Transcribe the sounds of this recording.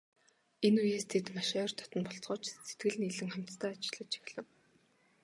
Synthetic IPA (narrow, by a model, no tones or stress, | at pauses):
enujeːst̪ʰet̪maʃaːr̥t̪ʰɔ̥t̪ɞ̆npɔɬt͡sɢɞ̆ːt͡ɕset̪ɡɘ̆ɮniɮɘ̆ŋχæm̥ʲt̪st̪ʰæːat͡ɕɪ̆ɮə̆t͡ɕʰi̥x̆ɮə̆w